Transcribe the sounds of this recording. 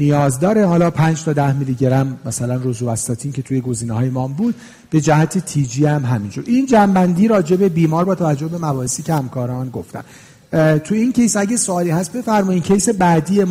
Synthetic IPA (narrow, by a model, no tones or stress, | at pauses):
nijɒːzd̪ɒːɾe̞hɒːlɒːpʰænd͡ʒt̪ʰɒːd̪æhmiliɟeɾæmmæsælænrozuvæst̪ɒːt̪ʰiːncʰe̞t̪ʰuːjeɡo̞ziːnehɒːjemɒːmbuːd̪̥̚ | b̥e̞d͡ʒæhæt̪ʰet̪ʰiːd͡ʒiːæmɦæmind͡ʒuɾind͡ʒæmbænd̪iːɾɒːd͡ʒe̞be̞biːmɒːɾbɒːt̪ʰævæd͡ʒːohbe̞mæbɒːhesiːcehæmkʰɒːɾɒːnɡo̞ft̪æ̰m | t̪ʰuincʰe̞jsæɟesoɒːliːhæst̪̚be̞fæɾmɒiːncʰejse̞bæd̪iːem